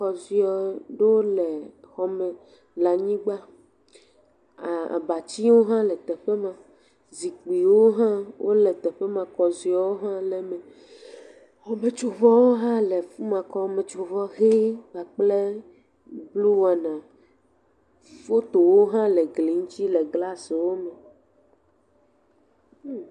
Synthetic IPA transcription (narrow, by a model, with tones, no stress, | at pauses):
xɔ˨zi˦ɔ˨ɖe˦wo˦lɛ˨ | xɔ˨mɛ̃˨ | la˨ɲĩ˦ɡ͡ba˦ | a˨a̰˨ba˨t͡ɕi˦wo˦ɦã˦lɛ˨t̪ɛ˨ɸe˦mã˨ | zi˨k͡pi˨wo˦ɦã˦wʔo̰˦lɛ˨t̪ɛ˨ɸe˦mã˨kɔ˨zi˦ɔ˨wo˦ɦã˦lɛ˨mẽ˨ | ɔ˨me˨t͡ʃo˨vɔ˦wo˦ɦã˦le˨fu˦mã˨kɔ˦mẽ˨t͡ʃo˨vɔ˦ɣe˦a˨k͡ple˦ | blu˦wa˨nã˨ | fo˦t̪o˨wo˦ɦã˦le˨ɡli˨ŋũ˦t͡ɕi˦le˨ɡla˦se˨wo˦mɛ˨˦